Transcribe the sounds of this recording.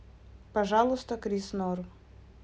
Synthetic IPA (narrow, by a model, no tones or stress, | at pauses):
pɐʐalˠʊst̪əkɾʲisnor